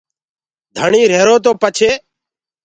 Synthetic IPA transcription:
d̪ʱəɳiːɾeːɾoːt̪̬oːpət͡ʃʰeː

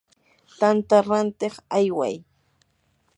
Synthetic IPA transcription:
t̪ant̪aɾant̪eχajwa̰j

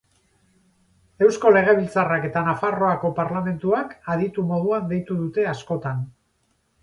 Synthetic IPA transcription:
e̞wsko̞le̞ɣ̞e̞β̞ilt͡sarake̞t̪anafaro̞ako̞paɾlame̞nt̪uakaðit̪umo̞ð̞uand̪e̞jt̪uðut̪e̞asko̞t̪an

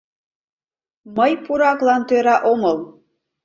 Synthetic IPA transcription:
məjpuɾɑklɑnt̪øɾɑʔomɤlˠ

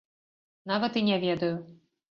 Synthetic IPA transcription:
navɐt̪inʲɛvʲɛd̪ɐju

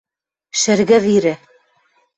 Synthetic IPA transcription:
ʃɘ̆ɾɡæðiɾɘ

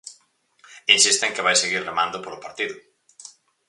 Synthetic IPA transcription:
insist̪eŋkeβ̞ajseɣiɾremãnd̪opolopaɾt̪iðʊ

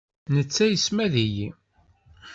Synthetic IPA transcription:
nət͡sːæjəsmæðiji

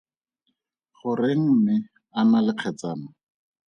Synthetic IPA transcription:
χʊreŋ̩mɪ | analɪq͡χʰɛt͡saːna

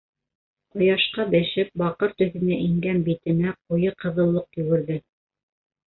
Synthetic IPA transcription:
qŏjɑʃqɑbɘ̆ʃɘp̚bɑqɤɾt̪ɵ̆θɘ̆næʔiŋɡænbit̪ɘ̆næqujɤqɤ̆ðɤ̆lˠːɤqjɵ̆ɡɘ̆ɾðɘ

